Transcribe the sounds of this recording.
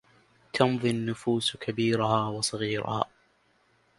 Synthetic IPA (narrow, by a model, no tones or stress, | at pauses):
t̪ʰɑmðˤɨnːʊfuːskʰabiːɾʊhaːwɑsˤɑɣiːɾʊ̰ha̰ː